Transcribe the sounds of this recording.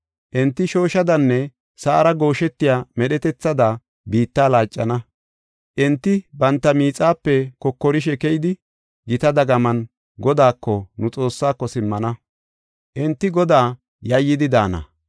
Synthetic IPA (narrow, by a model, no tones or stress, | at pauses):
ʔɛnt̪ːɪʃo̞ːʃɐd̪ɐnːɛ | saːɾɐɡo̞ːʃɛt̪ːɪjaːmɛɗɛt̪ɛt͡sːɐd̪a | biːt̪ːaːlaːt͡ʃʼːɐnɐ | ʔɛnt̪ːɪbɐnt̪ːɐmiːt͡sʼːaːpːɛkɔkːɔɾɪʃ̬ɛkɛjd̪ɪ | ɡɪt̪ɐd̪ɐɡɐmɐn | ɡɔd̪aːkːɔnʊt͡sʼo̞ːsːaːkːɔsɪmːɐnɐ | ʔɛnt̪ːɪɡɔd̪aː | jɐjːɪd̪ɪd̪aːnɐ̰